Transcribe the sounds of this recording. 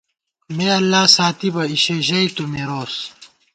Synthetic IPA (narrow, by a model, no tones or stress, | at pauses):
meːɐlːaːsaːt̪ibɐiɕeːʑɐit̪omeɾoːs